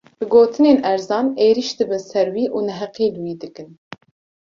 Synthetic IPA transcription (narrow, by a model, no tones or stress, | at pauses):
b̥ɨɡoːt̪ʰɨneːnɛɾzɑːneːɾiʃd̪ɨbɨnsɛɾwiːʔuːnɛɦɛqiːlɨwiːd̪ɨkɨn